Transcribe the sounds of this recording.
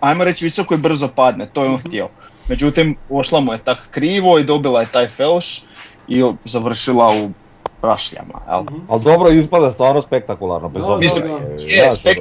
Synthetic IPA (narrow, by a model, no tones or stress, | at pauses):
ajmoɾet͡ɕʋiso̞koibr̩zo̞pad̪net̪ojeonxt̪jeome̞d͡ʑut̪imoʃlˠamuje̞t̪akkɾiːʋo̞id̪o̞bilˠaje̞t̪ajfelˠʃ | izaʋr̩ʃilˠau | pɾa̰ʃʎa̰ma̰ja̰lald̪obɾoispad̪ast̪ʋaːɾnospek̚t̪akulˠa̰ɾnobezonisjessek